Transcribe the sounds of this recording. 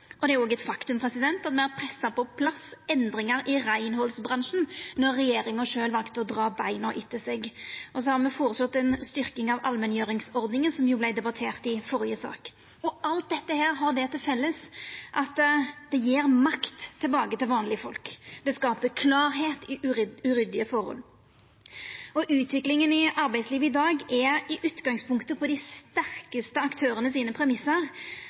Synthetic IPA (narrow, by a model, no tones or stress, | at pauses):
ʔɔd̪ɛæɾjʊoːɡəɛt̪fɑkt̪ʉmpʰɾɛsɪd̪ɛnt̪ɑt̪mɛæɾpʰɾɛsːɑpʰɔpʰlɑsɛnd̪ɾɪŋɑɾʔɪɾæɪnhɔlsbʁɑnʃn̩nɔʁːɛjeːɾɪŋɑʂøːlʋɑlkt̪ɔd̪ʁɑːbæɪnɔʔɪt̪ʰːɪsɛɡʔɔsɔhɑʁmɛfɔɾsɔt̪ːɛnst̪ʏɾkɪŋɑʋɑlmɛnjøːɾɪŋsɔɾd̪nɪŋənsɔmjuːblæɪd̪ɛbɑt̪ʰeːʁt̪ɪfɔɾjəsɑ̰ːk | ɔʔɑlt̪̚d̪ɛt̪ːəhæːɾɦɑɾɖ̪ɛt̪ʰɪlfɛlːəsʔɑt̪d̪̥ɛjeːɾmɑkt̪ʰːɪlbɑːkət̪ɪlʋɑːnlɪəfɔlkd̪̥ɛskɑːpəkʰlɑːɾɦeːt̪ɪʔʉɾʏd̪ɪəfɔʁhɔ̰l | ɔʔʉːt̪ʋɪklɪŋənɪʔɑɾbæɪsliːʋəɪd̪ɑːɡɛɪʔʉːt̪ɡɑŋspʰʊŋkt̪əpʰɔd̪ɪst̪æɾkəst̪əɑkt̪ʰøːɾənəsiːnəpʰɾɛmɪsːəʁ